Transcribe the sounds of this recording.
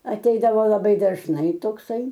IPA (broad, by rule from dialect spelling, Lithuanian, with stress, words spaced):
ɐˈtʲɛɪdɐʋoː lˠɐˈbɐɪ dɐʒˈnɐɪ toːkˈsɐɪ